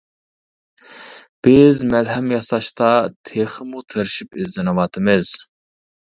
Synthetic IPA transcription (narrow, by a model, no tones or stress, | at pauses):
b̥ɪzmɛlɦɛmjɑsɑʃt̪ɑt̪ʰeχɨmut̪ʰəɾʃipɪzd̪ɨnɨwɑːt̪ʰɨmɪz̥